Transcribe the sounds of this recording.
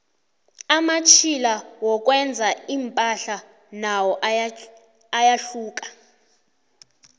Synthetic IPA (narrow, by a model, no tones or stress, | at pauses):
amat͡ʃʰilawɔk̬ʼwɛnd͡zʱaimpʼaɬa | nawɔʔ | ajaɬuːk̬ʼḁ